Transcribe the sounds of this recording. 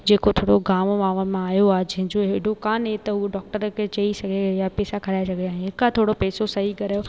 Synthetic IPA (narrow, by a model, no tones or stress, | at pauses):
d͡ʑeːkot̪ʰoːɽoɡaːmmaːʋəmãaːjoaːɦd͡ʑɐ̃ɦɪ̃ɲd͡ʑoɦɪɽokaːnɦet̪ɐɦuɖɔːk̚ʈəɾkʰet͡ɕɐisɐɡʱejapɛːsakʰɐɾaːesɐɡʱeãːɦɪkãt̪ʰoːɽopɛːsosɐɦikɐɾaːjo